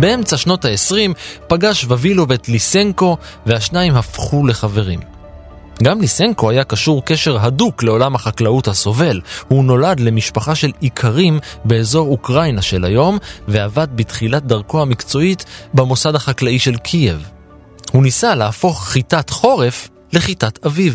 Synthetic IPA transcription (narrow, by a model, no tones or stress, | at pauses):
be̞e̞mt͡saʃno̞thaesʁimpaɡaʃvavilo̞vetlise̞ŋko̞ | vehaʃnaimhafχule̞χave̞ʁim | ɡamlise̞ŋko̞ajakaʃuʁke̞ʃe̞ʁɦadukle̞o̞lamhaχaklauthaso̞ve̞lhuno̞ladle̞miʃpaχaʃe̞likʰaʁimbe̞ːzo̞ʁukʁajnaʃe̞lajo̞mve̞avad̪̚bitχilat̚daʁko̞hamikt͡so̞itbamo̞sadhaχaklaiʃe̞lkʰije̞v | hunisaleːfo̞χːitatχo̞ʁe̞f | le̞χitataviv